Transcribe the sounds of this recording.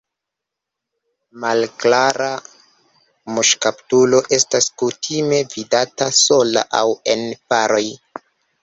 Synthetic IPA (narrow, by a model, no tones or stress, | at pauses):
malklaɾa | muʃkaptulo̞ʔe̞staskutʰime̞vidataso̞la̰ʔawe̞npaɾo̞j